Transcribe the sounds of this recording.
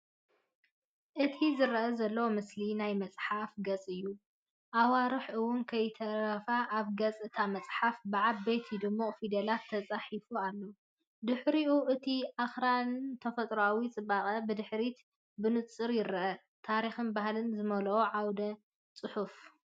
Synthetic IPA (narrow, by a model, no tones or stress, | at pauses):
ʔɨt̪ʰizɨɾɐʔɐzɐlːɐwomɨslinajmɐt͡sʼħafɡɐt͡sʼɨjːu | ʔawaɾɨħʔɨwːʊnkʰɐjt̪ʰɐɾɾɐfaʔaβɡɐt͡sʼɨt̪ʰamɐt͡sʼħafbɨʕabejt̪ʰid̪ɨmːo̞fid̪ɐlat̪ʰːɐt͡sʼaħifualːo | d̪ɨħɾiuʔɨt̪ʰiʔaxɾant̪ʰɐfɐt̪ʼɾoawit͡sʼɨbaχʼɐbɨd̪ɨħɾit̪ | bɨnɨt͡sʼɨɾjɪɾɐʔɐ | t̪ʰaɾixɨnbahlɨnzɨmɐlɐwoʕawd̪ɐ | t͡sʼɨħuf